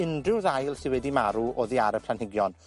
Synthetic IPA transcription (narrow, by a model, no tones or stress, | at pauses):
ɪndrɪwðajlˠsɪnwɛdimaɾuɔðiaɾəpʰlanhɪɡjɔn